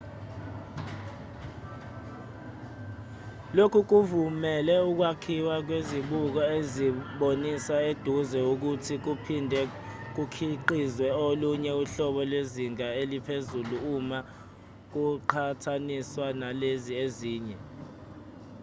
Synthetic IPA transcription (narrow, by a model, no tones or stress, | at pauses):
lokʰuk̬uvumɛlɛuk̬wakʰiwak̬weziɓuk̬ɔeziɓonisaed̥ʱuzɛuk̬utʰik̬upʰindʱɛ | k̬ukʰiǃizwɛoluɲɛuɬɔɓɔlweziŋʱaelipʰezuluuma | k̬uǃʰatʰaniswanalezieziːɲɛ